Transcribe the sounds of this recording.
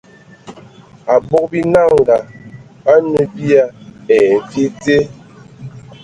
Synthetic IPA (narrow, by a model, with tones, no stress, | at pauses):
a˨bɔ˦k̚bi˦na˦˨ŋ˨ɡa˨ | ba˦nu˨bi˦a˦ɛ˨˦fi˦te˦